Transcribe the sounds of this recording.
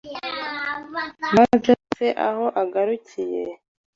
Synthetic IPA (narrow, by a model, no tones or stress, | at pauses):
mavjoseʔa̰ho̞ʔaɡaɾucije